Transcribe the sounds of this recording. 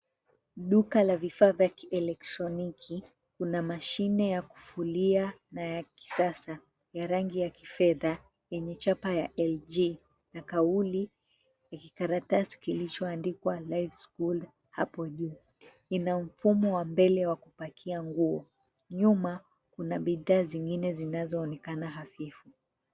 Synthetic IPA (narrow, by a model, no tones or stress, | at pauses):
ɗukalavifaːvakiɛlɛk̚tɾɔnikʰi | kunamaʃinɛjaku̥fulianajaki̥sasa | jaɾaŋɡijakifɛða | jɛɲɛt͡ʃapajaʔɛld͡ʒi | nakauli | jakikaɾatasi̥kilit͡ʃɔandikwalajfskuld | hapɔʄuː | inam̩fumɔwambɛlɛwakupakʰiaŋɡuɔ | ɲuma | kunaɓiðaːziŋɡinɛzinazɔːnɛkanaɦafifu